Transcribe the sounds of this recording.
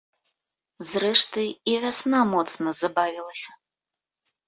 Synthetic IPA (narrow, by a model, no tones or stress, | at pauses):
zrɛʂt̪ɨivʲasnamɔt̪snɐzabavʲilˠɐsʲɐ̥